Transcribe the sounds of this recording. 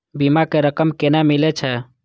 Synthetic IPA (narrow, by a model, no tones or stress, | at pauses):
bimakeɾəkəmkenamilɛt͡ʃʰɛ